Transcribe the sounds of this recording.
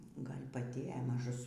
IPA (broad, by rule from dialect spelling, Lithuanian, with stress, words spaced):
ˈɡɐlʲ pɐˈtʲɪ ɛ mɐˈʒʊs